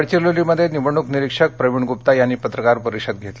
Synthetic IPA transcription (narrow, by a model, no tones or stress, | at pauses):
ɽt͡ɕiloliməd̪ʱːjeniʋəɳ̃ukniɾikʂək̚pɾəʋiɳɡupt̪ajanːiːpət̪ɾəkaɾpəɾikʂəd̪̚ɡʱet̪le